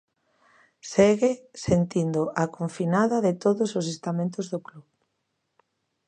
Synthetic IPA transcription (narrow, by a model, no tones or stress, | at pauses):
seɣɪsent̪ind̪ʊʔakoɱfinaðɐðɪt̪oðʊsos̬est̪amẽnt̪ʊzðʊkluβ